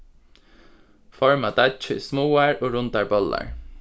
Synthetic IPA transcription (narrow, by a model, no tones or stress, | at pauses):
fɔɹmad̪at͡ʃəismuːaɹoːɾʊnt̪aɹbɔla̰ɹ